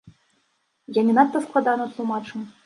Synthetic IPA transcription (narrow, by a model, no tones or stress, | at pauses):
janʲinɑt̪ːəsklˠɑd̪ɑnɤ̆t̪lˠumɑt͡ʂɤ̆m